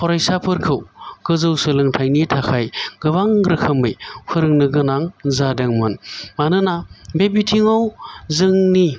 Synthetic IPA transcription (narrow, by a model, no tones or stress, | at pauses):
pʰɔɾajsapʰɯɾkʰɯwɡ̥ɯzɯwsɯlɯŋtʰajnitʰakʰajɡɯβaŋɡɾɯkʰɐmɯjpʰɯɾɯŋnɯɡɯnaŋzadaŋmɯnmanɯnabebitʰiŋawzɯŋni